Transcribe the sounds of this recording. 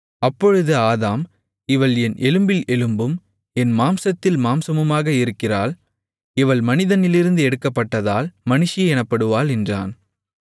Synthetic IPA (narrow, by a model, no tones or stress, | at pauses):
ɐpːɔɻɯðɯaːðaːm | ɪʋɐɭɛnʔɛlɯmbɪlɛlɯmbɯm | ɛnmaːmsɐt̪ːɪlmaːmsɐmɯmaːɣɐɪɾɯkːɪraːl | ɪʋɐɭmɐnɪðɐnɪlɪɾɯnd̪ɯɛɽɯkːɐpːɐʈːɐðaːlmɐnɯʂɪjɐɛnɐpːɐɽɯʋaːlɛndra̰ːn